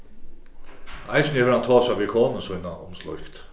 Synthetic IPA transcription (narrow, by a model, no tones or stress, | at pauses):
ajsnɛvɪɾhant̪ʰɔːsavikʰoːnəsujnaʊ̰mslɔ̰jkt̪